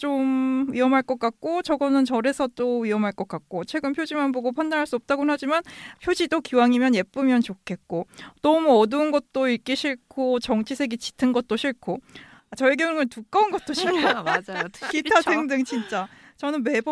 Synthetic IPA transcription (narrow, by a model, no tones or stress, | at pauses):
t͡ɕ͈omɥiʌmɦaɭk͈ʌk͈ak̚k͈ot͡ɕʌɡʌnɯnt͡ɕʌɾe̞sʰʌt͈oɥiʌmɦaɭk͈ʌk͈ak̚k͈ot͡ɕʰwe̞ɡɯmpʰjod͡ʑimanboɡopʰandanɦaɭs͈uʌp̚t͈aɡonɦad͡ʑimanpʰjod͡ʑidokiwaŋimjʌnje̞p͈ɯmjʌnt͡ɕokʰe̞t̚k͈onʌmuʌduːnɡʌt̚t͈oiɭk͈iɕʰiɭkʰot͡ɕʌŋt͡ɕʰisʰe̞ɡit͡ɕi̥tʰɯnɡʌt̚t͈oɕʰiɭkʰo | at͡ɕʌeɡjʌŋŋɯntuk͈ʌunɡʌt̚t͈oɕʰiɭkʰod͡ʑitʰae̞ŋdɯŋt͡ɕint͡ɕ͈a | t͡ɕʌnɯnme̞b